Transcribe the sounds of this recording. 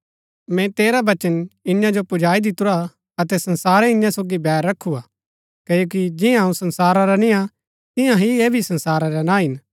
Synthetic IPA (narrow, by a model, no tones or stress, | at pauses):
mɛ̃t̪eːɾabɐt͡ʃənɪ̃jãd͡ʒopʊd͡ʒaːid̪ɪt̪ʊɾa | ɐt̪ɛsɐnsaːɾɛɪ̃jãsoːɡibɛːɾːɐkʰːuaː | keːjoːkid͡ʒɪjãũsɐ̃nsaːɾaɾanɪ̃ã | t̪ɪ̃jãɦieːbʱisɐ̃nsaːɾaɾanãːɦɪn